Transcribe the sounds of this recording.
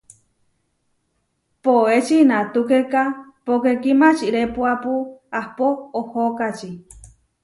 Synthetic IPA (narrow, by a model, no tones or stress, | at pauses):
poet͡ʃinãt̪ukekapokekimãt͡ʃiɾepuapuahpoohokat͡ʃi